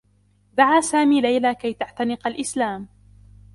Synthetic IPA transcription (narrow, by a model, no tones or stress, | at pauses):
d̪aʕaːsaːmiːlajlaːkajt̪aʕt̪anɪqalʔɪslaːm